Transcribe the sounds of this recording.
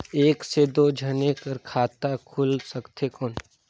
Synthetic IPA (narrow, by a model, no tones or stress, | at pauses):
eːksed̪oːd͡ʒʱɐnekəɾkʰaːt̪akʰʊlsɐkt̪ʰekɔːn